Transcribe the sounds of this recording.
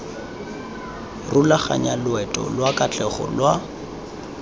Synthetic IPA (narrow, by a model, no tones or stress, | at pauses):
rulaχa̰ɲalʊɛtʼɔ̰lwakʼat͡ɬʼɛχɔ̰lwa